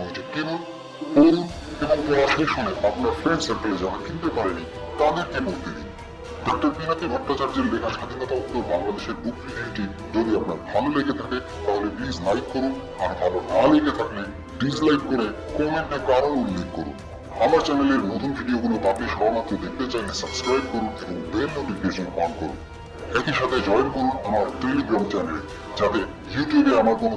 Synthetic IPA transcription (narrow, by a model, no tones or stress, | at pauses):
oet͡ɕʰekenun | poɾun | eboŋpɔɾaʃeʃoneapnaɾfɾenseɳʈaled͡ʑanakint̪epaɾeni | t̪ad̪eɾkemoɾt̪ʰenḭ | ɖɔk̚ʈoɾpinap̪ibʱɔʈt̪ːat͡ɕaɾd͡ʑeɾlekʰaʃad̪ʱinɔt̪aok̪ːoɾbaŋlad̪eʃeɾbukɾid̪iʈi | d͡ʑod̪iapnaɾbʱaloleɡet̪ʰake | t̪aɦoleplizlajkːoɾun | aɾbʱalonaleɡet̪ʰakle | ɖis̬lajʈ̚koɾe | kɔmeɳʈːakaɾonulːeɡkːoɾṵn | amaɾt͡ɕɛneleɾnot̪ʰunbʱiɖiokulop̪apiɾʃɔbʱamat̪ːɾod̪ek̚ʰt̪et͡ɕajnesabskɾajb̚koɾuneboŋbeɾnoʈifikeʃonpɔnkoɾṵn | ɛkiʃat̪ʰed͡ʑɔjonkoɾunamaɾʈ̪eliɡɾamt͡ɕɛnele | d͡ʑat̪e | juʈjubeamaɾkono